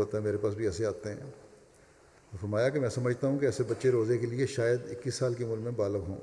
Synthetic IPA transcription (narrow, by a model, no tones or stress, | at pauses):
oːt̪aɦɛmeːɾepaːs̬bʱiɛːseaːt̪eɦɛ̰̃ː | fɐɾmaːjakemɛ̃ːsɐməd͡ʒʱt̪aɦũkeɛːsebɐtːʃeɾoːzekelieʃaːjəd̪ɪkːiːsːaːlkimʊlmẽbaːləɡɦõ̰ː